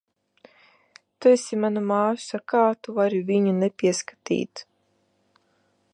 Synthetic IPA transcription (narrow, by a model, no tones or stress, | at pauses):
t̪uɛsʲimanumḁːsakaːt̪uvaɾivʲiɲunɛpʲiɛskḁt̪ḭːt̪